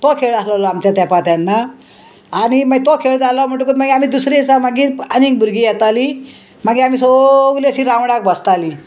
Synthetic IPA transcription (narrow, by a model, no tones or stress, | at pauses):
t̪okʰeɭaslalɔamt͡ɕjat̪japat̪janːa | aɽ̃imaɡt̪okʰeɭd͡zalɔm̤əɳʈukuːt̪maɡiamiːd̪usɾesamaɡiːɾanĩk̚bʱuɾɡiːjɛt̪ali | m̤aɡiamiːsoɡliəɕiɾãwɽak̚bəst̪ali